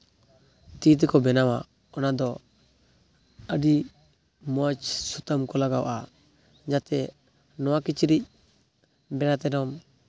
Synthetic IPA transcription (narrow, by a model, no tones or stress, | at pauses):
t̪it̪̬ɛkɔbɛnawa̰ | ɔnad̪ɔ | əɖi | mɔat͡ʃsut̪amkɔlaɡawʔa | d͡ʒat̪ɛ | nɔwakit͡ʃiɾic̚ | bɛnat̪ɛnɔm